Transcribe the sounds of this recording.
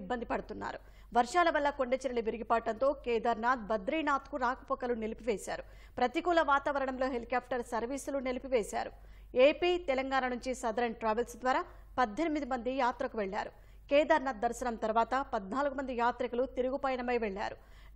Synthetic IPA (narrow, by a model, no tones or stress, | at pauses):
bːɐnd̪ipɐɽut̪unːa̰ːɾu | ʋɐɾʂaːlɐʋɐlːɐkoɳɖet͡ʃiɾɐɭiʋiɾiɡipaːʈːɐnt̪o̞ːkɛːd̪ɐɾnaːd̪̚bɐd̪ɾiːnaːt̪kuɾaːkɐpɔkɐlunelipiʋeːsaːɾu | pɾɐt̪ikuːlɐʋaːt̪aːʋɐɾɐɳɐmlo̞ːɦelkjaːpʈɐɾsɐɾʋiːsulunelipiʋeːsa̰ːɾu | eːpiːt̪ɛlɐŋɡaːnɐnuɲt͡ʃisɐd̪ɐɾɐɳʈɾaːʋɐlsd̪ʋaːɾaː | pɐd̪ʱːe̞nimid̪imɐnd̪ijaːt̪ɾɐkuʋeɭːa̰ːɾu | kɛːd̪ɐɾnaːd̪̚ːɐɾsɐnɐmt̪ɐɾuʋaːt̪ɐpɐd̪naːluɡumɐnd̪ijaːt̪ɾɐkulut̪iɾuɡupɐjɐnɐmɐjʋeɭːa̰ːɾu